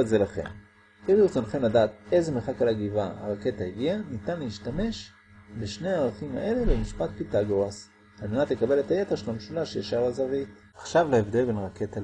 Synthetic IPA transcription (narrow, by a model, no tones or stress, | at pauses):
ezelaχḛm | iʁiut͡sonχe̞mladaːt̪e̞zemeχakalaɡivaa̰ʁake̞taiɡianitanleiʃtame̞ʃ | beʃne̞aaʁaχima̰ʔe̞le̞bemiʃpat̚pitaɡoas | alme̞natle̞kabe̞le̞taje̞teʁʃelameʃulaʃejaʃaʁazavit | aχʃavleevd̪e̞lbe̞nʁake̞ta